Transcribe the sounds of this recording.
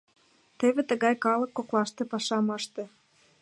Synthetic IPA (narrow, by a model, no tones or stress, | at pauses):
t̪eβet̪ə̆ɣɑjkɑlɤ̆kːoklɑʃt̪epɑʃɑmɤʃt̪ĕ